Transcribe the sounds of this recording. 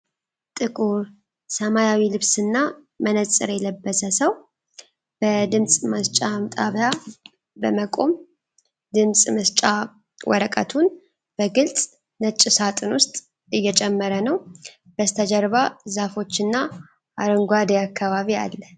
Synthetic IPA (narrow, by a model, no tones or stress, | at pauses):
t̪ʼɨkʼuɾ | səmajawilɨβsɨnːa | mənət͡sʼɨ̰ɾjɛləbːəsəsəw | b̥əd̪ɨmsʼməst͡ʃʼamt̪ʼaβja | bəməkʼo̞m | d̪ɨmsʼməst͡ʃʼa | wʔɔ̰ɾəkʼə̰t̪ʰun | b̥əɡɨlt͡sʼ | nət͡ʃʼːɪsat̪ʼɨnwʊst̪ʼ | ɨjːɛt͡ʃʼɛmːəɾənəw | b̥əst̪ʰəd͡ʒəɾβazafo̞t͡ʃːɨnːa | ʔaɾəŋɡʷad̪eakʰːaβaβia̰lːə